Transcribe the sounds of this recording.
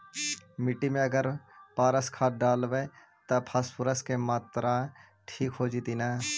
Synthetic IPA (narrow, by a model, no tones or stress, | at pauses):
mɪʈːimẽɐɡəɾpaːɾəskʰaːʈ̚ɖaːlʋe | t̪ɐpʰaːspʊɾəskemaːt̪ɾã | ʈʰiːkɦoːd͡ʒit̪inaː